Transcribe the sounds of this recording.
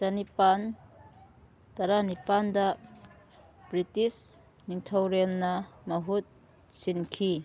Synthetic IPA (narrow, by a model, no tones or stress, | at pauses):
tɐnipan | tɐɾanipandɐ | b̥ɾitis | niŋtʰɐwɾɛnːɐmɐɦut̚ | sinkʰi